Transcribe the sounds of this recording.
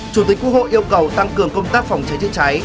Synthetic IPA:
t͡ɕu˨˧˩i̟˨˩˦kːwk̚ho̰˧˨ʔi˧əwkə˨˩wt̪a˧ŋkɨ˨˩əŋkə˧wŋ͡mt̪aː˦˥k̚fa˨˩wŋ͡mt͡ɕa˨˦jzɨ̰˧˨t͡ɕa˨˦j

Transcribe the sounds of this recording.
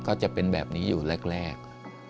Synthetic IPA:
kʰɔː˥˩t͡ɕa˨˩pe˧nbɛː˨˩p̚niː˦˥juː˨˩le˥˩k̚ɾɛː˥˩k̚

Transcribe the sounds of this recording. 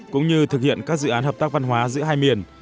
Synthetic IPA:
kʊ̰˧˥ŋ͡mɲɨ˧t̪ʰɨ˨˩k̚hḭ˧˨ənkaː˦˥k̚zɨ̰˧˨ʔaː˨˦nhəː˨˩p̚t̪aː˦˥k̚va˧nɦwaː˨˦zɨ̰˧˥əɦaː˧jmi˨˩ən

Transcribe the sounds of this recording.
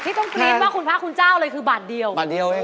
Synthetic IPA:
t̪ʰiː˥˩ɔ˥˩ŋtkli˧ənwaː˥˩kʰu˧npʰɾa˦˥kʰu˧nt͡ɕaː˥˩wlɤː˧jkʰɯː˧baː˨˩t̪̚di˧əwbaː˨˩t̪̚di˧əw

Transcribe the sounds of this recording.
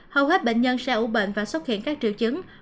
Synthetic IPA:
hə˧whwɛː˦˥t̚ɓḛ˧˨ŋ̟ɲə˧nsɛ̰˧˥ʔu˧˩ɓḛ˧˨ŋ̟vaː˨˩swə˦˥t̚hḭ˧˨ənkaː˦˥k̚t͡ɕɨ̰˧˨wt͡ɕɨ˨˦ŋ

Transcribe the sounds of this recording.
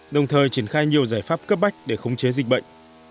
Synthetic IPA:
ɗə˨˩wŋ͡mt̪ʰəː˨˩jt͡ɕi˧˩ənxaː˧jɲi˨˩əwzaː˧˩jfaː˦˥p̚kə˦˥p̚ma˦˥jk̟̚ɗe˧˩xə˨˦wŋ͡mt͡ɕe˨˦zi˨˩k̟̚ɓə̰˧˨jŋ̟

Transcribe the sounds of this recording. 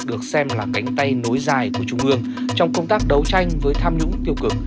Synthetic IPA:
ɗɨ˨˩ək̚sɛ˧mlaː˨˩ka˨˦jŋ̟t̪a˧jno˨˦jzaː˨˩jku˧˩ət͡ɕʊ˧ŋ͡mʔɨ˧əŋ | t͡ɕɔ˧wŋ͡mkə˧wŋ͡mt̪aː˦˥k̚ɗə˨˦wt͡ɕa˧jŋ̟vəː˨˦jt̪ʰaː˧mɲʊ̰˧˥ŋ͡mt̪i˧əwkɨ˨˧˩ŋ

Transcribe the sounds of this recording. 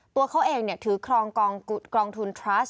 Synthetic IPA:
t̪u˧ɐkʰa˦˥wʔeː˧ŋni˥˩ət̪ʰɯː˩˦kʰɾɔː˧ŋkɔː˧ŋku˨˩t̪̚kɾɔː˧ŋt̪ʰu˧nt̪ʰɾa˦˥s

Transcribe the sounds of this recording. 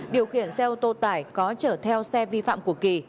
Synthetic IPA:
ɗi˨˩əwxi˧˩ənsɛ˧t̪o˧t̪aː˧˩jkɔ˨˦t͡ɕəː˧˩t̪ʰɛ˧wsɛ˧vi˧fa̰ː˧˨mku˧˩əki˧˨˩

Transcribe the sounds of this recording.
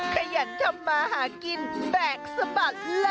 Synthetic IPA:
kʰa˧ja˨˦t̪̚t̪ʰːa˧mːaː˧ɦaː˩˦ki˧nbɛː˨˩k̚sa˧ba˨˩t̪̚la˦

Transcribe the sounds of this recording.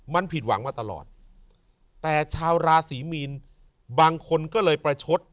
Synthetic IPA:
ma˧npʰi˨˩t̪̚wa̰˩˦ŋmaː˧t̪a˧lɔ̰ː˨˩t̪̚ː | ɛː˨˩t͡ɕʰaː˧wɾaː˧siː˩˦miː˧n | baː˧ŋkʰo˧nkɔː˥˩lɤː˧jpɾa˧t͡ɕʰo˦˥t̪̚

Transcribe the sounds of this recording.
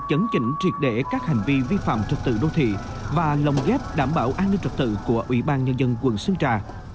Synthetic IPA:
t͡ɕə˨˦nt͡ɕï˧˩ŋ̟t͡ɕi˨˩ət̚ɗe˧˩kaː˦˥k̚ha˨˩jŋ̟vi˧vi˧fa̰ː˧˨mt͡ɕə˨˩t̚t̪ɨ̰˧˨ɗo˧t̪ʰḭ˧˨ | vaː˨˩lə˨˩wŋ͡mɣɛ˦˥p̚ɗaː˧˩mɓaː˧˩wʔaː˧nːi˧nt͡ɕə˨˩t̚t̪ɨ̰˧˨ku˧˩əʔwḭ˧˦ɓaː˧nɲə˧nzə˧nkwə˨˩nsɨ˧əŋt͡ɕaː˨˩

